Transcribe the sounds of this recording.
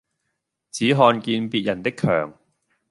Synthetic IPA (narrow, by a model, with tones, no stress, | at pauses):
t͡siː˨˥ɦɔː˧nkiː˧npiː˨t̚jɐ˨˩nt̪ɪ˥kʰːœ̰ː˨˩ŋ